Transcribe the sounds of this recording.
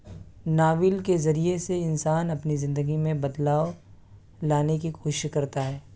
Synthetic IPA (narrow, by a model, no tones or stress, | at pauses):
naːʋɪlkezɐɾieseɪnsaːnɐpnizɪ̃nd̪əɡimẽbɐd̪laːo | laːnekikoːʃʃkɐɾt̪aɦɛː